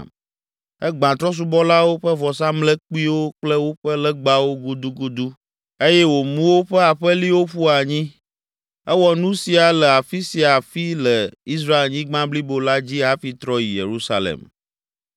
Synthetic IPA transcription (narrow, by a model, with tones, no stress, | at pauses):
ɛ˦ɡ͡bã˨t̪ɾɔ˦s̬u˦bɔ˦la˦wo˦ɸɛ˦vɔ˨s̬a˦mlɛ˦k͡pi˦wo˦k͡plə˦wo˦ɸɛ˦lɛ˦ɡ͡ba˦wo˦ɡu˦d̪u˦ɡu˦d̪u˦ | e˦jɛ˦wo˨mũ˦wo˦ɸɛ˦a˨ɸɛ˦li˦wo˦ɸu˦a˨ɲĩ˦ | ɛ˦wɔ˨nũ˦si˨a˨lɛ˨a˨fi˦si˨a˨fi˦lə˨i˦s̬ɾa˦e˨lɲĩ˦ɡ͡bã˦bli˦bo˨la˦d͡ʑi˦a˦fi˦t̪ɾɔ˦ji˨jḛ˨ɾu˦sa˦lḛ˨m